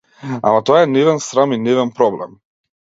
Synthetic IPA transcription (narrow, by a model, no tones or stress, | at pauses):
a̰mat̪ɔaɛnɛvɛnsɾaminɛvɛnpɾɔblɛ̰m